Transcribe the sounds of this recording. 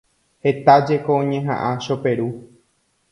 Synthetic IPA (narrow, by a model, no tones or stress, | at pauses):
he̞t̪ad͡ʒe̞koõɲẽɦã̰ʔãʃo̞pe̞ɾu